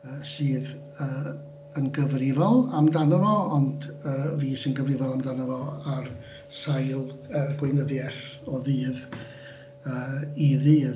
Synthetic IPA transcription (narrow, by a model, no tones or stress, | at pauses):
əːsɨːð | əː | ənɡəvrɪvɔlˠamdanɔvɔɔndəːviːsɪnɡəvrɪvɔlˠamdanɔvɔar | sajlˠəːɡwɪnəðjɛθɔðɨːð | əːiðɨː